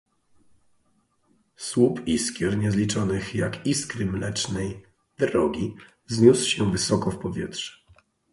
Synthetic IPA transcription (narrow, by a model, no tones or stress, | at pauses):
swupiskʲjɛɾɲɛzlʲit͡ʂɔnɘxjakiskɾɘmlɛt͡ʂnɛj | d̪ɾɔɡʲi | zɲuswɕɛvɘsɔkɔfpɔvʲjɛtʂɛ̥